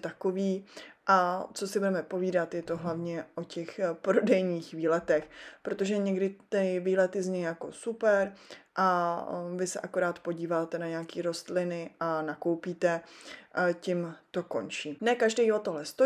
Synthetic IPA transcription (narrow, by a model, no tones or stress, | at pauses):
t̪akoviːʔat͡so̞sɪbudɛmɛpo̞viːdat̪jɛt̪o̞ɦlavɲɛʔo̞cɛxpɾo̞dɛjɲiːxviːlɛt̪ɛxpɾo̞t̪o̞ʒɛɲɛɡdɪt̪ɪviːlɛt̪ɪzɲɛjjako̞̰supɛɾʔavɪsɛ̰ʔako̞ɾaːt̪po̞ɟiːvaːt̪ɛnaɲɛakiːɾo̞st̪lɪnɪʔanako̞wpiːt̪ɛ | cɪmt̪o̞ko̞̰nt͡ʃiːnɛkaʒdɛjot̪oɦlɛst̪o